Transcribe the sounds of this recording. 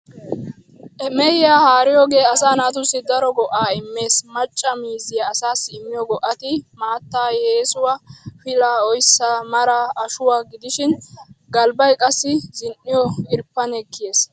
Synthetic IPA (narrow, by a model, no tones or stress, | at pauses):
ʔɛmɛjɪjaːhaːɾɪjoːɡe̞ːɐsaːnaːt̪ʊsːɪd̪ɐɾɔɡɔʔaːɪmːe̞ːsmɐt͡ʃʼːɐmiːzɪjaːsaːsːɪːmːɪjɔɡɔʔːɐt̪ɪmaːt̪ːaːjeːsʊwafɪlaːɔjsːaːmɐɾaɐʃʊwaːɡɪd̪ɪʃɪnɡɐlbɐjkʼɐsːɪzɪnʔːɪjɔɪɾpːɐnɛkːɪjeːs